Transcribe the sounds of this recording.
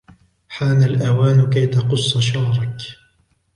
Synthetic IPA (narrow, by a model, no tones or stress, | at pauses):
ħaːnalʔawaːnʊkajt̪aqʊsˤːɑʃɑhɾˤɑk